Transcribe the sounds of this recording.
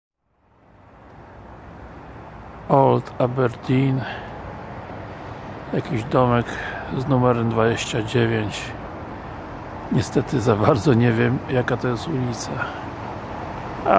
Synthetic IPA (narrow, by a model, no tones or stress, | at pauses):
ɔlt̪ʰabɛɾd̪ʲin | jakʲiʑd̪ɔmɛkznumɛɾɛmd̪vad͡ʑeɕt͡ɕad͡ʑevʲjeɲt͡ɕ | ɲɛst̪ɛt̪ɘzabaɾd̪zɔɲɛvʲjɛmjakat̪ɔjɛst̪ulʲit̪sa | a